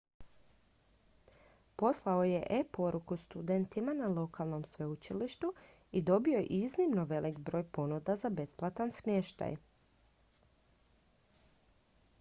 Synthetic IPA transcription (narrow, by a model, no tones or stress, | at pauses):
po̞slˠaoje̞ʔepo̞ɾukust̪ud̪ent̪imanalˠo̞kʰalˠno̞msʋe̞ut͡ʃiliʃt̪u | id̪o̞bioʔiznimnoʋe̞likbɾo̞ːjpo̞nud̪azabe̞splˠat̪ansmje̞ʃt̪a̰j